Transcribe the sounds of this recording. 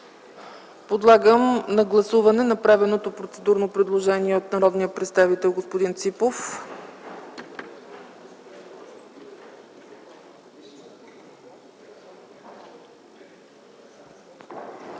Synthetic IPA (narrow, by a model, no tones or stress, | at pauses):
pod̪lˠaɡəmnɐɡlˠɐsuvɐnɛnɐpɾavɛnot̪opɾot̪sɛd̪uɾnopɾɛd̪lˠoʒɛniɛot̪nɐɾɔd̪nijəpɾɛt̪st̪avit̪ɛlˠɡospod̪int̪sipof